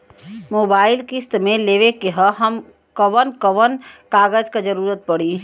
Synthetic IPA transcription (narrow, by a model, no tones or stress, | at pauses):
moːbaːɪlkɪst̪mẽleːʋekeɦəɦəm | kəʋənkəʋənkaːɡəd͡ʒkad͡ʒəɾuːɾət̪̚pɐɽ̤i